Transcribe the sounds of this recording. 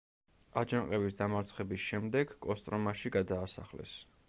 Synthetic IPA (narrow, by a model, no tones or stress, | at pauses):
ad͡ʒaŋqʼɛbisd̪amaɾt̪sʰχɛbisʃɛmd̪ɛɡ̥kʼɔst̪ʼɾɔmaʃiɡad̪aːsa̰χlɛ̰s